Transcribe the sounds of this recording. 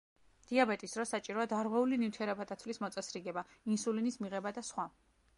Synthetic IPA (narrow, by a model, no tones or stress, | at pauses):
d̪̥iabɛt̪ʼisd̥̪ɾɔsat͡ʃʼiɾɔad̪aɾʁwɛulinit̪ʰiɛɾɛbatd̪at̪sʰvlismɔt̪sʼɛsɾiɡɛbainsulinismiʁɛbad̪asχwa